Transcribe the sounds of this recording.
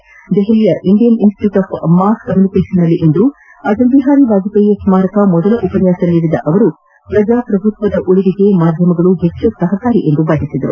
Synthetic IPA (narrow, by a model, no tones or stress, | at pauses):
d̪ɛɦɛɭijɐʔiɳɖijɐninsʈjuːʈaːpʰmːaːskɐmjunikeʂɐnːɐlːiʔend̪u | ɐd͡ʒɐnb̪iɦaːɾiʋaːd͡ʒ̪ipɐjɐsumaːɾɐkɐmɔd̪ɐlɐʔupɐnjaːsɐlːiɾid̪ɐʔɐʋɐɾu | pɾɐd͡ʒaːpɾɐbʱut̪ʋɐd̪ɐʔuɭid̪iɡe̞maːd̪ʱjɐmɐɡɐɭuɦet͡ʃːusɐɦɐkaːɾiʔe̞nd̪ubaːɡ̪isid̪ɐɾṵ